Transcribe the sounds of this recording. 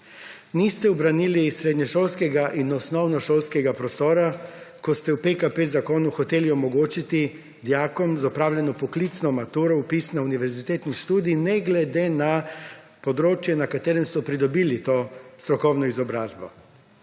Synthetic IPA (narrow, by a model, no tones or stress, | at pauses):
nist̪ɛubɾaniːlisɾeːd̪ɲɛʃolskɛɡaʔinɔsnɔwnɔʃolskɛɡapɾɔst̪oːɾakɔst̪ɛwpekapezakoːnuxɔt̪eːliɔmɔɡoːt͡ʃit̪i | d̪jaːkɔmzɔpɾaːwljʲɛnɔpɔklit̪snɔmat̪uɾɔupisnauniʋɛɾzit̪eːt̪nixʃt̪uːd̪iːnɛɡlɛd̪ena | pod̪ɾoːt͡ʃjɛnakat̪eːɾɛmst̪ɔpɾid̪ɔbiːlit̪oːst̪ɾɔkɔwnɔizɔbɾaːzbɔ̰